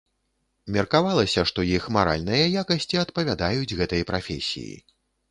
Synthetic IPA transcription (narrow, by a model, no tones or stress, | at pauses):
mʲɐrkavalˠɐsʲɐʂt̪ɔjixmaɾa̰lʲnɨjɐjakɐsʲt͡sʲiɐt̪pɐvʲad̪ajud͡zʲɣɛt̪ɐjɐpɾafʲesʲḭjḭ